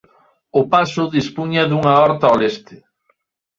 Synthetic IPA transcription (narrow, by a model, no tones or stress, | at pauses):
ʊpasʊðispuɲɐðuŋaɔɾt̪aolest̪ɪ